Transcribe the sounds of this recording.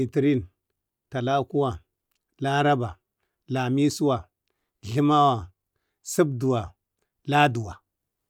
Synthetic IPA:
i˨ti˨ɾi˦˨n | ta˨la˦ku˦wa˨ | la˦ɾa˦ba˨ | la˨mi˦su˦wa˨ | ɮi˦ma˦wa˨ | su˦bdu˨wa˨ | la˦du˨wa˨

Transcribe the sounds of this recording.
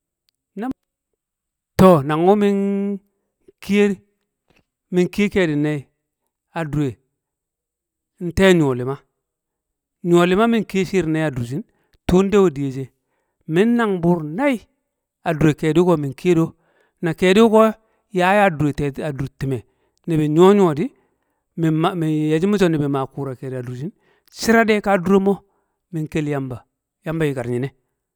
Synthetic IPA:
na˦ | to˨na˨ŋu˦mi˦n | ki˦e˦ɾi˦ | mi˨ŋki˦ke˨di˨na˦i˨ | a˨du˨ɾe˨ | n̩˦te˦ɲ˨o˨li˨ma˦ | ɲ˨o˨li˨˦ma˦mi˦ŋki˦ʃi˦ɾna˦i˦a˨du˨s̬i˦ | tu˦n˦de˦wo˨di˨je˨d͡ʒe˨ | mi˦nːa˨ŋbu˨ɾna˦i˦ | a˨du˨ɾe˨ke˨di˦ko˦mi˨ŋki˦e˦do˦ | na˨ke˨di˦ko˦ | ja˦ja˦du˨ɾe˨te˨a˨du˨ɾti˨me˨ | ni˨bi˨ɲo˦ɲ˦o˨di˦ | m˨mi˨je˨d͡ʒi˦mu˦t͡ʃo˦ni˨bi˨ma˨ku˨ɾa˨ke˨da˨du˨ɾd͡ʒi˦n | si˦ɾa˦de˦ka˦du˦ɾe˦mo˦ | mi˨ŋke˦lja˦mba˨ | ja˦mba˨ji˨ka˨ɾɲi˨ne˦

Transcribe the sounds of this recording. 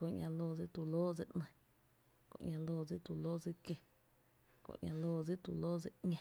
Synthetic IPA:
ko˧ʔɲʲã˧loː˧˨d͡zi˦t̪u˧loː˦d͡ze˧ʔnə̃˧˨ | kõ̰˧ʔɲʲã˧loː˧˨d͡zi˦ʔt̪u˧loː˦d͡zi˦ke˧ | kõ̰˧˨ʔɲʲʔã̰˧loː˧˨d͡zi˦t̪u˧˨loː˦d͡ze˧˨ɲã˧

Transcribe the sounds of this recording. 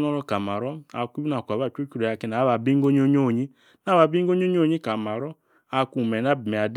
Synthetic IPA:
nɔ˦ɾɔ˦ka˨ma˨ɾɔ˦a̰˨ki˦bna˨kʷa˨βa˦˨t͡ʃo˦ku˦ɾo˨a˨ki˧na˨˦βa˨bi˦ɡo˦ɲ˦o˦ɲ˦o˦˨ɲi˦ | na˨˦βa˨bi˦ɡo˦ɲ˦o˦ɲ˦o˦˨ɲi˦ka˨ma˨ɾɔ˦ | a˨ku˦˨mɛ˨na˦bi˨me˨a˨d

